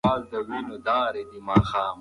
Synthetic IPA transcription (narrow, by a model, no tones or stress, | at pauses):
aːld̪ɐwinod̪aːɾed̪imaːxaːm